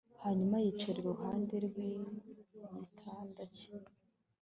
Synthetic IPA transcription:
haɲumajit͡ʃeɾɡouɦaːndeɾɡwi | ɲitʰaːndaci̥

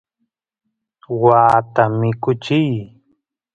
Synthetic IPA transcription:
waːt̪amɪkʊt͡ʃɪj

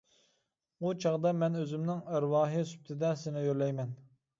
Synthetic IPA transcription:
ut͡ʃʰɑʁd̪ɑmɛnøzymnɪŋæɾwɑːɦisy̥p̚t̪ʰɪd̪ɛsɪnɪjøɾlɛjmɛn

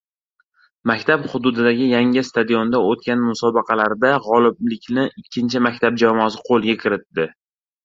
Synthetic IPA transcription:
makʲt̪ʰapχʊd̪ʊd̪ɪd̪aɡʲɪjaŋɪst̪ʰad̪ijo̞nd̪aot̪̚kʲanmʊsɒbɑqʰɑlaɾd̪aʁɒlˠɪblɪkʲnɪɪkʲʰːɪnt͡ʃʰɪmakʲt̪ʰab̚d͡ʒamɒsɪqʰolˠɡʲakʲʰɪɾɪt̪ːɪ

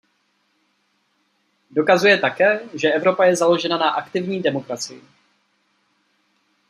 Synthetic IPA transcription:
do̞kazujɛt̪akɛːʒɛʔɛvɾo̞pajɛzalo̞ʒɛnanaʔakt̪ɪvɲiːdɛmo̞kɾat͡sɪjɪ̰

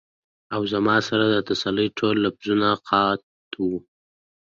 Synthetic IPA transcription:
awzamɑsaɾad̪ət̪asaləjʈʰolːabzunaqʰɑt̪ | wu

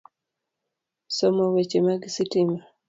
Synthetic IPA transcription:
sɔmɔwet͡ʃemaɡisitima

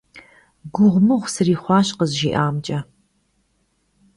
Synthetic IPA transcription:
ɡʷʊʁʷmɨʁʷsɨriːχʷɑːɕqəzʒḭːʔaːmt͡ʃʼɐ

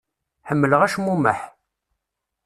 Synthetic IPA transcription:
ħəmːələʁæʃmuməħ

